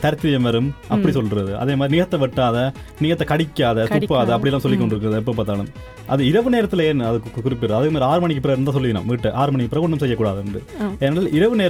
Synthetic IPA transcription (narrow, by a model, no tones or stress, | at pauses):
t̪ɐɾɯt̪ːʋɪjɐmʋɐɾɯmɐ̰pːɐɽisɔlɾɐðɯʔɐ̰ðeːmaːðɾinɪɣɐt̪ːɐʋɪʈːaːðɐ | nɪɣɐt̪ːɐkɐɽɪkʲːaːðɐt̪ʊpːaːðɐɐpːɐɽɪjɛlːaːmsɔlːɪkːɔɳɖɪɾɯkːɪɾɐðɯɛp̬ːoːpaːɾt̪aːlɯm | ʔɐðɯɪɾɐʋɯneːɾɐt̪ːɪlɐeːnːɐðɯkːkʊɾɪpːɪɾɐðɐkːɯmaːðɾiaːɾɯmɐɳɪkːɯpɪɾɐɾnd̪ãːs̬ɔlːɪʋɪna̰ːmʋiːʈːɐʔaːɾɯmɐɳɪkːɯpɪɾɐɔɳɖɐmsɛjːɐkːuːɽaːðɐɛnɖɯ̰eːnaːlʔɪɾɐʋɯneː